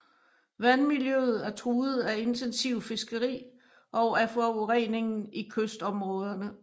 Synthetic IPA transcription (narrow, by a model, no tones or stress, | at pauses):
ʋænmiljøð̞̩ˠæɐt͡sʰʁuːð̩ˠæe̝nt͡sʰensiʊ̰fe̝sɡ̥əʁḭː | ʔɒ̽ʊæfɒuʁɛ̰ne̝ŋn̩ikʰøsd̥ɒ̽mʁɔ̽ːð̞ˠɐnə